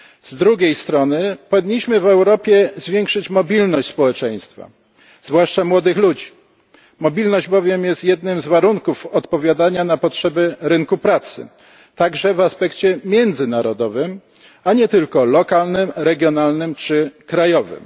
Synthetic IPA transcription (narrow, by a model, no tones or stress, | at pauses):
z̥d̪ɾuɡʲejst̪ɾɔnɘpɔvʲiɲːiɕmɘvɛwɾɔpʲjɛzvʲjɛŋkʂɘt͡ɕmɔbʲilnɔɕt͡ɕʲspɔwɛt͡ʂɛj̃st̪fa̰ | zvwaʂt͡ʂamwɔd̪ɘxlud͡ʑi | mɔbʲilnɔʑd͡ʑbɔvʲjɛmjɛst̪jɛd̪nɘmzvaɾuŋkufɔt̪pɔvʲjad̪aɲanapɔtʂɛbɘɾɘŋkupɾat̪sɘ̰ | t̪aɡʐɛvaspɛkt͡ɕɛmʲjɛnd̪zɘnaɾɔd̪ɔvɘm | aɲɛt̪ɘlkɔlɔkalnɘmɾɛɡʲjɔnalnɘmt͡ʂɘkɾajɔvɘ̰m